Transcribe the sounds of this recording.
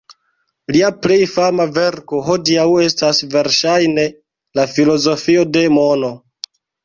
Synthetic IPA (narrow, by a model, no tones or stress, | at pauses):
liaple̞jfamave̞ɾko̞ɦo̞diawe̞stasve̞ɾʃajne̞ | lafilo̞zo̞fio̞de̞mo̞no̞